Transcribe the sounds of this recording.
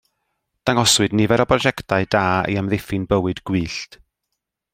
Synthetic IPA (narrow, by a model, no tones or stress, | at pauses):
d̥aŋɔswɨdnɪvɛɾɔbrɔd͡ʒɛktʰaɨdaːḭamðɪfɨnbəwɨdɡwiːɬt